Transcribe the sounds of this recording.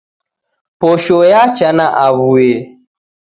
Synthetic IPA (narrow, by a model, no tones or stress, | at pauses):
poʃojat͡ʃanaʔaβue